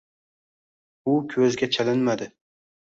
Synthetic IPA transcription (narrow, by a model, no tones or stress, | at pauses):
ʊkʲʰɵzɡʲat͡ʃʰalɪnmad̪ɪ